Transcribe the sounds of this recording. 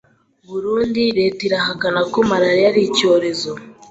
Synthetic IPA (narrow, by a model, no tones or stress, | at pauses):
βuɾuːndiɾetiɾaɦakanakomaɾaɾijaɾico̞ːɾe̞zo